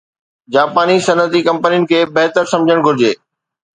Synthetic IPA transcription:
d͡ʑaːpaːnisɐnət̪ikɐ̃mpənijʊnɪ̆kʰeːbɛɦt̪əɾsɐ̃md͡ʑʱəɽ̃ɡʱʊɾɪd͡ʑeː

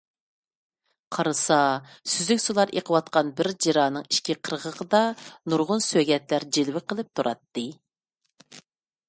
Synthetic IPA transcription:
qʰɑɾɨsɑ | syzykʲsulˠɑɾḛqʰəwɑt̪̚qɑnbɪɾd͡ʒiɾɑːnɨŋiʃkʲiqʰəɾʁəʁəd̪ɑnuɾʁʊnsøɡʲɛt̪læɾd͡ʒilwɪqəlˠɨp̚t̪ʰuɾɑt̪ːɨ

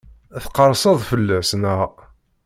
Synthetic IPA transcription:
æθqɑɾˤsˤɑðˤfəlːæsnəʁ

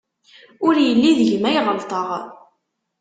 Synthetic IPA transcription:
ʊɾjəlːiðəʝmæjʁəlt̪ˤəʁ

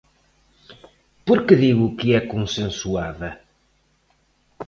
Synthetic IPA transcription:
puɾkɨðiɣukɨɛkõsẽsuaðɐ

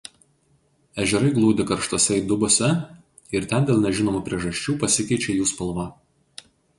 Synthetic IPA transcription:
æːʒʲɛɾɐɪɡlˠuːd̪ʲɪkɐɾʃt̪oːsʲɛiːd̪ʊboːsʲɛ | ɪɾt̪ʲɛnd̪ʲeːlˠnʲɛʒʲɪnoːmuːpʲɾʲiɛʒɐʃʲt͡ʃʲuːpɐsʲɪkʲɛɪt͡ʃʲɛjuːspɐlˠʋɑˑ

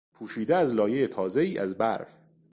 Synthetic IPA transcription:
pʰuːʃiːd̪eæzlɒːje̞jet̪ʰɒːze̞iːʔæzbæɾf

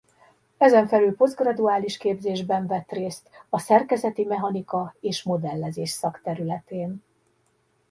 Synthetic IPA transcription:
ɛzɛɱfɛlylpo̞zɡrɒd̪uaːliʃkeːbzeːʒbɛɱvɛt̪reːst̪ɒsɛrkɛzɛt̪imɛɦɒnikɒeːʃmo̞d̪ɛlːɛzeːʃsɒkt̪ɛɾylɛt̪eːn

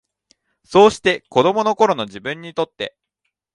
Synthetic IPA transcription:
so̞ːɕi̥t̪e̞ko̞d̪o̞mo̞no̞ko̞ɾo̞no̞ʑibɯ̟̃ɲ̟ːit̪o̞t̪ːe̞̰

